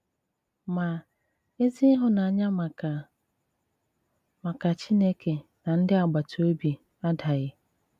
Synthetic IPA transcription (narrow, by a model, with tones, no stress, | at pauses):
mã˨ | e˦zi˦ɦʊ˦nã˨a˦ɲã˦ma˨ka˨ | mã˨ka˨t͡ɕʰi˦ne˦kʰe˨nã˨n̩˦dɪ˦a˨ɡ͡ba˨tʰʊ˨o˦bi˨ | a˦da˨jɪ˨